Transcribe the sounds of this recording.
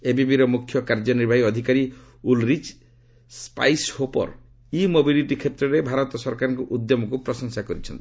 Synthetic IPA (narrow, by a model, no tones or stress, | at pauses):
ebibiɾɔmukʰjɔkaɾd͡ʒɔniɾbʱaɦiɔd̪ʱikaɾi | ulɾit͡ʃ | spa̰jshopɔ̰ɾ | imobiliʈikʰet̪ɾɔɾebʱaɾɔt̪ɔsɔɾkaɾɔ̃ŋkuʔud̪jɔmɔkupɾɔsɔŋsakɔɾit͡ʃʰɔnt̪i̥